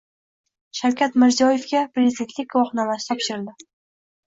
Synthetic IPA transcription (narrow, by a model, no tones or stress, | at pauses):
ʃawkʲʰat̪mɪɾzijɒje̞fkʲapɾezd̪ent̪lɪk̚ʲɡwɒχnalasɪ̥t̪ʰɒpʃɪɾɪld̪ɪ